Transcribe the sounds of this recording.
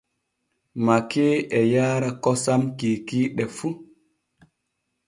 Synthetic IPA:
makeːɛjaːɾakɔsamkikiːɗɛfu

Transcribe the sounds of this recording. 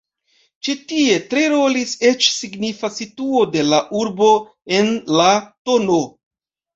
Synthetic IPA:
t͡ʃitie̞tɾeɾo̞lise̞t͡ʃsiɡnifasituo̞de̞laʔuɾbo̞ | e̞nlato̞no̞

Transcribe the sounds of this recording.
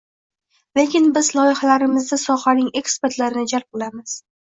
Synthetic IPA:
le̞kʲʰɪnbɪzlˠɒjɪχalaɾɪmɪzd̪asɒχanɪŋe̞kspe̞ɾt̪laɾɪnɪd͡ʒalp̚olamɪz̥

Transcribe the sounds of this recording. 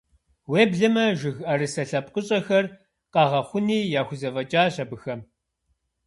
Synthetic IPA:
weːbɮɨmɐʒɪɣɐɾɨsɐɬɐp̚ʼqʼəɕʼɐxɐr | qɑʁɐχʷʊniːjaːxʷʊzɐvɐt͡ʃʼaːɕɐbɨxɐm

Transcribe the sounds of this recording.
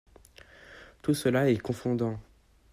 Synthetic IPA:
t̪usəlaɛkɔ̃fɔ̃d̪ɑ̃

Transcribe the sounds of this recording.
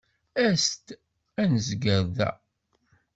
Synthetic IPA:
æst̪ | ænzɡəɾðæ̰

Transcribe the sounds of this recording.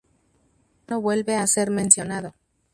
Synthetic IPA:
no̞βwe̞lβe̞ase̞ɾmẽ̞nsjo̞naðo̞

